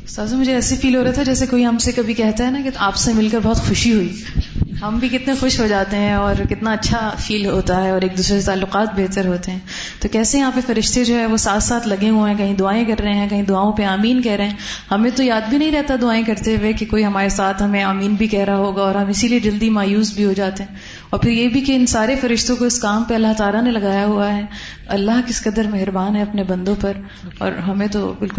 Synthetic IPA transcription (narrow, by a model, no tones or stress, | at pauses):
saːzõmʊd͡ʒʱeɛːsifiːlɦoːɾaat̪ʰad͡ʒɛːsekoːiɦɐmsekɐbʱikɛɦt̪aɦɛnakeaːpsemɪlkəɾbɔɦt̪xʊʃiɦʊiː | ɦɐmbʱikɪt̪nexʊʃɦod͡ʒaːt̪eɦɛ̃ɔːɾkɪt̪naɐtːʃʰafiːlɦoːt̪aɦɛɔːɾeːk̚d̪uːsɾeset̪aːlːʊqaːt̪̚beːt̪əɾɦoːt̪eɦɛ̃ː | t̪okɛːsejɐɦãpefɐɾɪʃt̪ed͡ʒoːɦɛʋosaːt̪ʰsaːt̪ʰlɐɡeɦũɦɛ̃kɐɦĩd̪ʊaːẽkɐɾːɐɦẽɦɛ̃kɐɦĩd̪ʊaːõpeaːmiːnkɛɦɾɐɦɛ̃ː | hɐmẽt̪ojaːd̪bʱinɐɦĩɾɛɦt̪ad̪ʊaːẽkɐɾt̪eʋekekoːiɦɐmaːɾesaːt̪ʰɦɐmẽaːmiːnbʱikɛɦɾaɦoːɡaɔːɾɦɐmɪsilied͡ʒɐld̪imaːjuːsbʱiɦod͡ʒaːt̪eɦɛ̃ː | ɔːɾpʰɪɾjeːbʱikeɪnsaːɾefɐɾɪʃt̪õkoɪskaːmpeɐlːaɦt̪aːlanelɐɡaːjaɦuaɦɛː | ɐ̰lːaɦkɪskɐd̪əɾmɛɦɾbaːnɦɛɐpnebɐ̃nd̪õpɐɾ | ɔ̰ːɾɦɐmẽt̪obɪlkʊ